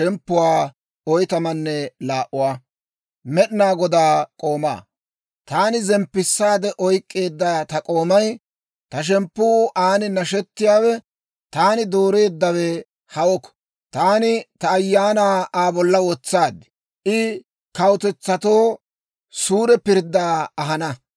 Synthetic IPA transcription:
ɛmpːʊwaː | ɔjt̪ɐmɐnːɛlaːʔʊwaː | mɛɗɪnaːɡɔd̪aːkʼo̞ːma̰ː | t̪aːnɪzɛmpːɪsːaːd̪ɛʔɔjkʼːe̞ːd̪ːaːt̪ɐkʼo̞ːmɐj | t̪ɐʃ̬ɛmpːʊːʔaːnɪnɐʃɛt̪ːɪjaːwɛ | t̪aːnɪd̪o̞ːɾe̞ːd̪ːɐwɛ | hɐwɔkːɔ̥ | t̪aːnɪt̪ɐːjːaːnaːʔaːbɔlːɐwɔt͡sːaːd̪ɪ̥ | ʔɪ | kɐwt̪ɛt͡sːɐt̪o̞ː | suːɾɛpɪɾd̪ːaːɐɦɐnɐ

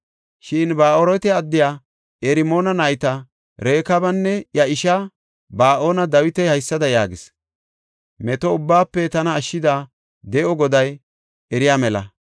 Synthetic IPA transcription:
ʃɪnbaːʔoːɾɔt̪ɛɐd̪ːɪjaː | ɛɾɪmo̞ːnɐnɐjt̪ɐ | ɾe̞ːkɐbɐnːɛjɐɪʃɐ | baːʔo̞ːnɐd̪ɐwɪt̪ɛhɐjsːɐd̪ɐjaːɡɪs | mɛt̪ɔʊbːaːpːɛt̪ɐnɐːʃːɪd̪aː | d̪ɛʔɔɡɔd̪ɐj | ɛɾɪjaːmɛlɐ̰

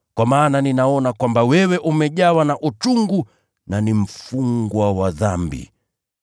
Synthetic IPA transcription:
kwamaːnaninaɔnakwambawɛwɛʔumɛʄawanaʔut͡ʃuŋɡu | nanim̩fuŋɡwawaðambḭ

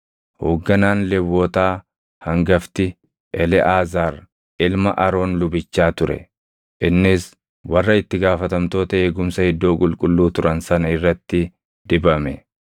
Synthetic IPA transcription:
hoːɡːɐnaːnlɛwːoːt̪aː | hɐŋɡɐft̪ɪ | ʔɛlɛʔaːzaːɾ | ɪlmɐʔɐɾo̞ːnlʊbɪt͡ʃːaːt̪ʊɾɛ̰ | ʔɪnːɪs | wɐrːɐɪt̪ːɪɡaːfɐt̪ɐmt̪o̞ːt̪ɐeːɡʊmsɐhɪd̪ːo̞ːkʼʊlkʼʊlːuːt̪ʊɾɐnsɐnɐɪrːɐt̪ːɪ | d̪ɪbɐmɛ

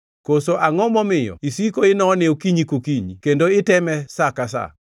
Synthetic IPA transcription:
kosoʔaŋɔmɔmɪjɔ̰isikoɪnɔnɪokiɲikokiɲikendoɪtɛmɛsakasa̰

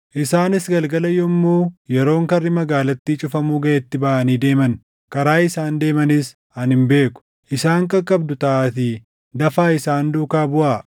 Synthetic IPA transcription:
ʔɪsaːnɪsɡɐlɡɐlɐjɔmːoːjɛɾo̞ːŋkɐrːɪmɐɡaːlɐt̪ːiːt͡ʃʼʊfɐmuːɡɐʔɛt̪ːɪbɐʔɐniːd̪e̞ːmɐn | kɐɾaːɪsaːnd̪e̞ːmɐnɪs | ɐnhɪmbe̞ːkʊ̥ | ʔɪsaːŋkɐkʼːɐbd̪ʊt̪ɐʔaːt̪i | d̪ɐfaːɪsaːnd̪uːkaːbʊʔaː

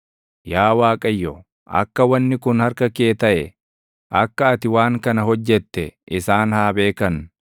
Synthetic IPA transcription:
jaːwaːkʼɐjːɔ | ʔɐ̰kːɐwɐnːɪkʊnhɐɾkɐkeːt̪ɐʔɛ | ʔɐkːɐːt̪ɪwaːŋkɐnɐɦɔd͡ʒːɛt̪ːɛʔɪsaːnhaːbe̞ːkɐn

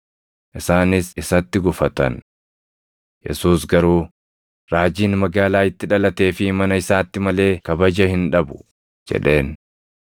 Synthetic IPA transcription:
ʔɪsaːnɪsɪsɐt̪ːɪɡʊfɐt̪ɐ̰n | jɛ̰suːsɡɐɾuː | ɾaːd͡ʒiːnmɐɡaːlaːɪt̪ːɪᶑɐlɐt̪e̞ːfɪmɐnɐɪsaːt̪ːɪmɐle̞ːkɐbɐd͡ʒɐhɪnᶑɐbʊ̥ | d͡ʒɛ̰ᶑe̞ːn

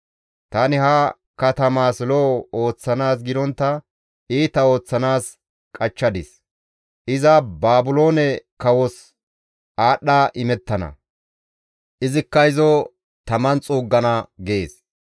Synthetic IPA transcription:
t̪ɐnɪhɐ | kɐt̪ɐmaːslɔo̞ːt͡sːɐnaːs̬ɡɪd̪ɔnt̪ːɐ | iːt̪ːɐo̞ːt͡sːɐnaːs | kʼɐt͡ʃːɐd̪ɪs | ʔɪzɐbaːbʊlo̞ːnɛkɐwɔs | ʔaːɗːaːʔɪmɛt̪ːɐnɐ̰ | ʔɪzɪkːɐɪzɔ | t̪ɐmɐnt͡sʼuːɡːɐnɐɡeːs

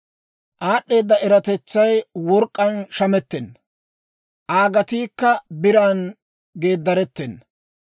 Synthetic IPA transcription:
ʔaːɗːe̞ːd̪ːɐʔɛɾɐt̪ɛt͡sːɐjwɔɾkʼːɐnʃɐmɛt̪ːɛnːɐ | ʔaːɡɐt̪iːkːɐbɪɾaːn | ɡe̞ːd̪ːɐɾɛt̪ːɛnː

